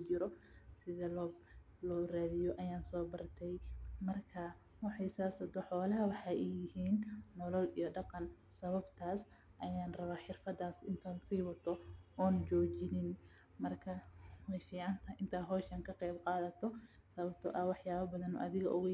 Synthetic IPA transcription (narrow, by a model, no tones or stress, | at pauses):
ʊt͡ʃɪɾɔsɪðɐlː | lɔːraːðɪjɔʔɐjaːnsɔːbɐrt̪ʰɛjmɐrkʰɐ | wɑħɑjsaːsɐd̪ɔħɔːlɐɦɐwɑħɑːʔɛjɪhiːnːɔlɔlijɔɖɑqɑnsɐβɐbt̪ʰaːs | ʔɐjaːnrɐβaːħɪrfɐd̪aːsɪnt̪ʰaːnsiːwɐt̪ʰɔʔɔːnt͡ʃɔːt͡ʃɪnɪn | mɐrkʰɐwɛjfiːʕɑnt̪ʰɐʔɪnt̪ʰaːɦɔːʃɐŋkʰɐqɛjbqɑːðɐt̪ʰɔ | sɐβɐb̚t̪ʰɔʔɐwɑħjaːβɐbɐðɐnɔ̰ʔɐðɪɣɐʔʊɣɐ